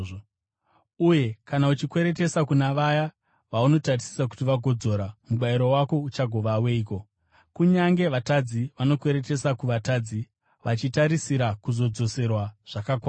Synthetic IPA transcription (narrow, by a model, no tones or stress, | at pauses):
uje̞kanaut͡ʃikwe̞ɾe̞te̞sakunaʋaja | ʋauno̞tarisi̥sak̬u̥tiʋaɡʱo̞d͡zo̞ɾamuɓaiɾowako̞ut͡ʃaɡʱo̞ʋawe̞iːko̞ | kuɲaŋɡe̞ʋatad͡ziʋano̞kwe̞ɾe̞te̞sakuʋataːd͡zi | ʋat͡ʃitaɾisiɾakuzo̞d͡zo̞se̞rwaʐ̥akakwaːa